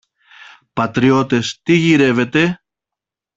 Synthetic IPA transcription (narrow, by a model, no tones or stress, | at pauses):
pɐt̪ɾio̞t̪e̞st̪iʝiɾe̞ve̞t̪e̞